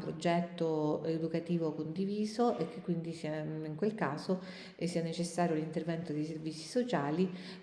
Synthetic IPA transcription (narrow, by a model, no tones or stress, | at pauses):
pɾod͡ʒɛt̪ːoed̪ukat̪iːvokond̪iviːzoʔek̟ːekːwind̪isiːaiŋkwelkaːzo | sːiːanet͡ʃesːaːɾjolint̪ervɛnt̪od̪ejservit̪sːi̥sot͡ʃaːli